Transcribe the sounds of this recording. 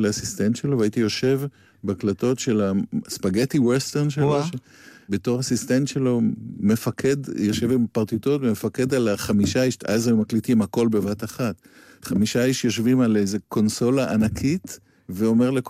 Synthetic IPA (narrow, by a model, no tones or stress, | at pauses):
leasist̪ent̪ʃelovait̪ijo̞ʃe̞v | beaklato̞tʃe̞laspaɡetiwest̪eʁnʃeloʃ | beto̞ʁasist̪entʃe̞lo̞me̞fakʰedjoʃevimpaʁt̪itotmefake̞dalaχamiʃaiʃʔazamaklitiimhako̞lbe̞vataχat | χamiʃaiʃjo̞ʃvimalejze̞ko̞nso̞laʔanakʰit̪ | veo̞me̞ʁlek